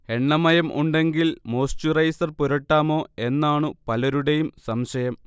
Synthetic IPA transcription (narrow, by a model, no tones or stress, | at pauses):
e̞ɳːɐmɐjɐmʔṵɳɖe̞ŋɡilmo̞ːst͡ɕurɐjsɐrpuɾɐʈːaːmo̞ːe̞nːaːɳɨpɐlɐɾuɽejumsɐmɕɐjɐm